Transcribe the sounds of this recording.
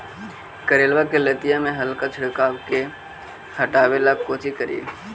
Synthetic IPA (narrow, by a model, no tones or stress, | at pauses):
kɐɾeːlʋakelɐt̪ijamẽɦɐlkat͡ʃʰɪɽkaːʋke | hɐʈaːʋelakoːt͡ʃikɐɾḭḛː